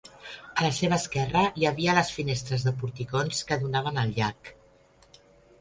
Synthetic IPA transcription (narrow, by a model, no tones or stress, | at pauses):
ələseβ̞əːskɛrəjəβiələsfinest̪ɾəzðəpuɾt̪ikonskəðunaβ̞ənəlˠʎak